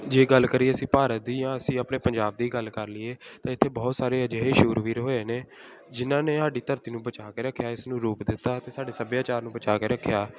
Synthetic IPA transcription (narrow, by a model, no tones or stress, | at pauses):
d͡ʒeːɡəlːkəɾiːeəsĩːpaːɾət̪̚d̪iːjãːəsĩːapɳeːpəɲd͡ʒaːb̚d̪iːɡəlkəɾlɪːeːt̪ãːɪt̪ʰːeːbɔːt̪saːɾeːəd͡ʒeːɦeːʃuːɾʋiːɾɦoːeːneː | d͡ʒɪnãːneːaːɖiːt̪əɾt̪iːnũːbət͡ʃaːkeːɾəkʰːjaːɪsnũːɾuːpd̪ɪt̪ːaːt̪eːsaːɖeːsəbjaːt͡ʃaːɾnũːbət͡ʃaːkeːɾəkʰːjaː